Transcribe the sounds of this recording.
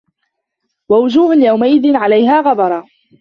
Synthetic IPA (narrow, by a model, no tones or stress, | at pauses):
wawʊd͡ʒuːhʊnjawmaʔɪðɪnʕalajɦaːɣɑbˤɑɾˤɑː